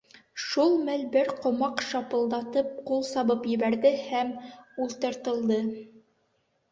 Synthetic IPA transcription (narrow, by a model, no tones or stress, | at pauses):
ʃulˠmɘlbɘɾqŏmɑqʃɑpɤ̆lˠd̪ɑt̪ɤp̚qulˠsɑβɤpjɘ̆βæɾðɘhæmulˠt̪ɤ̆ɾt̪ɤ̆lˠd̪ɤ